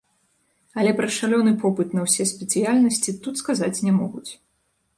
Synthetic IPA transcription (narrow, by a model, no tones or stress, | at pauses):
ɐlʲɛpɾɐʂalʲɔnɨpɔpɨt̪nɐwsʲɛsʲpʲɛt̪sɨjalʲnɐsʲt͡sʲit̪ut̪skazat͡sʲnʲɛmɔɣut͡sʲ